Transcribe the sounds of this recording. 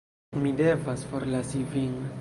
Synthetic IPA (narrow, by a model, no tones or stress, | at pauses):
midevasfoɾlasiviŋ